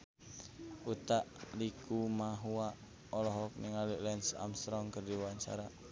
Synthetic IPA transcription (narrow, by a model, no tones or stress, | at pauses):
ut̪aʔlikumaɦuaʔ | ɔlɔɦɔk̚niŋaliʔlɛnsa̰mst̪ɾɔŋkərdiwwaɲt͡ʃa̰ɾa